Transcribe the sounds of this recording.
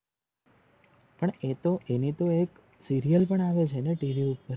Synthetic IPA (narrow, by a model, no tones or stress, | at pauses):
pəɳet̪oʔenit̪oek | siɾijəlpəɳaʋet͡ʃʰeneʈiʋiupːəɾ